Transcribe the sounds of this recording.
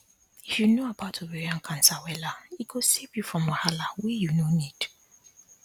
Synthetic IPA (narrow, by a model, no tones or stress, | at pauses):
ifjunoabatʰɔbɛɹiãnkʰãnsawɛlaiɡosevjufɹɔ̃mahalawijunonid̥